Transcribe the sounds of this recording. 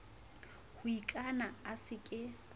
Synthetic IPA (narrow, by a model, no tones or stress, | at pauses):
hʊikʼanaasɪkʼɪ